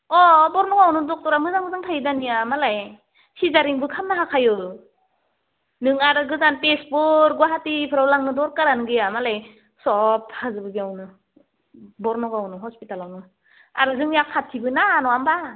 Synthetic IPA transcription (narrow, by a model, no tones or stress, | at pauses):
ɔbɔɾnɔɡawnɯdɔk̚tɔɾamɯzaŋɯzaŋtʰajdanijamalaj | sizaɾiŋbɯkʰamnaɦakʰajɯ | nɯŋaɾɯɡɯzanpespɯɾɡwaɦatipʰɯɾawlaŋnɯdɔɾkaɾanɯɡɯjamalaj | sɔpʰhazɯbɯɡiawnɯ | bɔɾnɔɡawnɯɦɔspitalawnɯ | a̰ɾɯzɯŋjaksʰatʰibɯnanɔamba